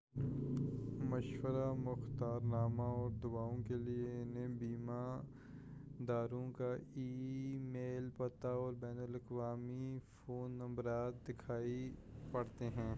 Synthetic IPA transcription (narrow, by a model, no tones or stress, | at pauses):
mɐʃwəɾamʊxt̪aːɾnaːmaɔːɾd̪ʊbaːõkelɪeɪnẽbiːma | d̪aːɾõkaiːmeːlpɐt̪aɔːɾbɛːnəlɐkʋaːmifʰoːnːɐ̃mbɾaːt̪̚d̪ɪkʰaːipɐɽt̪eɦɛ̃ː